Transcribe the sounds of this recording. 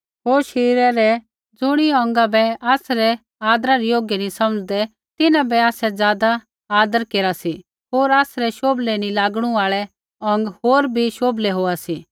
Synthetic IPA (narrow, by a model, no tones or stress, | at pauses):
ɦoːɾʃɐɾiːɾaɾɛ | d͡zʊɽ̃iɔ̃ːŋɡabɛaːsɾɛ | aːd̪ɾaɾijoːɡjɛnisɐməd͡ʒd̪ɛ | t̪ɪnãbɛaːsɛd͡zjaːd̪a | aːd̪əɾkeːɾasi | ɦoːɾaːsɾɛʃoːblɛnĩlaːɡɽ̃ũaːɭɛ | ɔ̃ŋɡhoːɾbʱiʃoːblɛɦoːasiː